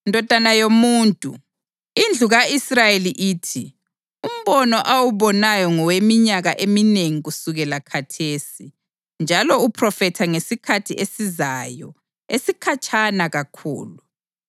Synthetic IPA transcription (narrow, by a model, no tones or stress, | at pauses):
ndʱɔd̥ʱanajomuːntʼṵ | ind͡ɮʱuɣaisrajeliʔiːtʰi | um̩βɔnɔʔawuβɔnajɔŋɔwemiɲaɣaʔemineŋiɣusuɣɛlakʰatʰeːsi | nd͡ʒʱalɔupʰrɔfɛtʰaŋesikʰatʰiʔesizajɔ̰ | esikʰat͡ʃʰʼanaɣakʰṵːlu